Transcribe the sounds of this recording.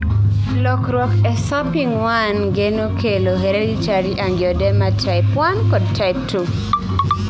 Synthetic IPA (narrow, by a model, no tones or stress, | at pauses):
lɔkɾwɔkɛsapiŋwanɡenokʰeloɦeɾedit͡ʃaɾiʔaŋɡjɔdɛmatʰaɪpwankɔd̚taɪp̚tʰu